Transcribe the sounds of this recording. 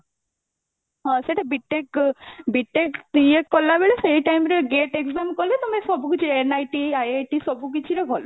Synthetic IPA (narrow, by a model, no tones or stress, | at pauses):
ɦɔ̃seʈʰabiʈːẽkbiʈːẽkt̪ĩekːɔlabeɭeseiʈajmɾeɡeʈeɡzamkɔlet̪omesɔbukit͡ʃʰiɾenajʈiajajʈisɔbuk̬it͡ʃʰiɾebʱɔlɔ